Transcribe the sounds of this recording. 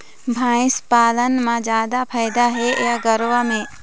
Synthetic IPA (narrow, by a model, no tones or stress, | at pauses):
bʱãːɪ̃spaːlənmãzjaːd̪apʰaːɪd̪aɦejaɡɐɾʋamẽ